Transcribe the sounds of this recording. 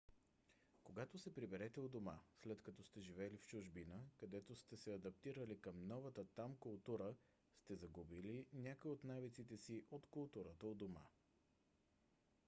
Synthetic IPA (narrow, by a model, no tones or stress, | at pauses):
koɡat̪osɛpɾibɛɾɛt̪ɛod̪oma̰slɛt̪kɐt̪ɔst̪ɛʒivɛlift͡ʃʊʒbinəkɐd̪ɛt̪ost̪ɛsɛɐd̪ɐp̚t̪iɾəlikɐmnɔvət̪ət̪amkʊlˠt̪uɾə | st̪ɛzɐɡubilinʲjakoiot̪navit̪sit̪ɛsiʔot̪kʊlˠt̪uɾət̪əod̪oma̰